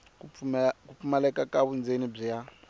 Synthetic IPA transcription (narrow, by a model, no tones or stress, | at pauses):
kufumalɛkakʼaβund͡zenib͡ʐija